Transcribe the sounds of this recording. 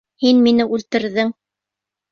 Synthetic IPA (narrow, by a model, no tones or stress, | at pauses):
hinminɘʔʉlt̪ɘ̆ɾðɘŋ